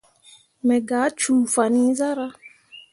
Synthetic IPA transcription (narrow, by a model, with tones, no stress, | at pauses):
mɛ̃˨ɡa˨˦t͡ʃuː˨fa˨nĩ˦za˦ɾa˦